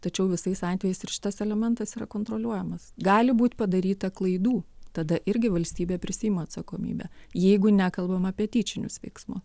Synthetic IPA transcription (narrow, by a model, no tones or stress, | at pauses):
t̪ɐt͡ʃʲɛʊʋʲɪsɐɪsɑnʲt̪ʲʋʲeːjɛɪsɪɾʃʲɪ̥t̪ɐsɛlʲɛmʲɛnt̪ɐsiːɾɐkoːnt̪ɾoːlʲuɔjɛmɐsɡɑːlʲɪbuːt̪ʲpɐd̪ɐɾʲiːt̪ɐklˠɐɪd̪uːt̪ɐd̪ɐʔɪɾʲɡʲɪʋɐlʲsʲt̪ʲiːbʲeːpʲɾʲɪsʲiːjɪmoːɐt̪sɐkoːmʲḭːbʲɛ̰jɛɪɡʊnʲækɐlˠbɐmɐːpʲiɛt̪ʲiːt͡ʃʲɪnʲʊsʋʲɛ̰ɪksmʊs